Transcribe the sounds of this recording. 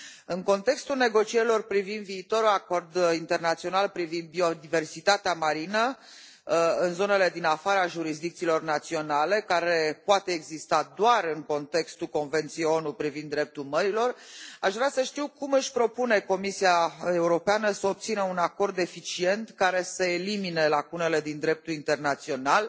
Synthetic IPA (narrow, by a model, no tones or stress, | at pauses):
ɨŋko̞nt̪e̞kst̪ulne̞ɡo̞t͡ʃieɾilo̞rpɾivind̪viːt̪o̞ɾuako̞rd̪int̪e̞rnat̪sionalpɾivind̪̚bio̞d̪ive̞rsit̪at̪eamaɾinə | ɨnzo̞ne̞le̞d̪inafaɾəaʒuɾis̬d̪ikt̪siːlo̞rnat̪sio̞nale̞kaɾe̞poat̪e̞ːɡzist̪ad̪oaɾɨŋko̞nt̪e̞kst̪ulko̞nve̞nt̪sijejo̞nupɾivind̪ːɾe̞p̚t̪ulməɾilo̞raʃvɾasəʃt̪iwkumɨʃʲpɾo̞pune̞ko̞misiaeuɾo̞peanəsəop̚t̪sinəunako̞rd̪e̞fit͡ʃie̞nt̪kaɾe̞səelimine̞lakunele̞d̪ind̪ɾe̞p̚t̪ulint̪e̞rnat̪sio̞nal